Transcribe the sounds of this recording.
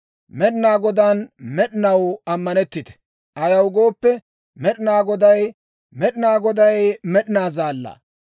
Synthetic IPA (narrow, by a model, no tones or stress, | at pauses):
mɛɗɪnaːɡɔd̪aːnmɛɗɪnɐwɐmːɐnɛt̪ːɪt̪ɛ̥ | ʔɐjɐwɡo̞ːpːɛ | mɛɗɪnaːɡɔd̪ɐj | mɛɗɪnaːɡɔd̪ɐjmɛɗɪnaːzaːlːɐ̰ː